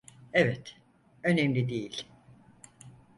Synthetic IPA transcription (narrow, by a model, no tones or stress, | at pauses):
evɛt̪ | ønemlʲid̪ejilʲ